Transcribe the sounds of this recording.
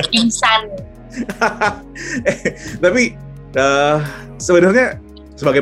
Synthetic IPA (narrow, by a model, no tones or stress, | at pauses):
insan | t̪api | ə | səbənʊrɲa | səbaɡa